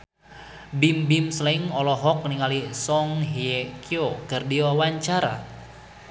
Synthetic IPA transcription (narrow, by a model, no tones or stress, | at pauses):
bimbimslɛŋɔlɔɦɔk̚niŋalisɔŋɦiekiokərdiwawaɲt͡ʃaɾa̰